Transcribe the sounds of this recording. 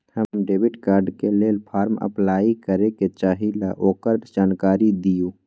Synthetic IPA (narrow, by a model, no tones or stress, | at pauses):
həmɖeːbɪʈkaːɾɖkeleːlpʰaːɾmə̰plaːikəɾeket͡ʃaːɦilaʔoːkəɾd͡ʒaːnkaːɾid̪ijuː